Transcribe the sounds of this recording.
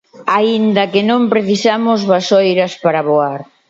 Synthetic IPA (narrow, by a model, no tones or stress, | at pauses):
aind̪ɐkɪnõmpɾeθisamʊzβasojɾɐspaɾɐβoaɾ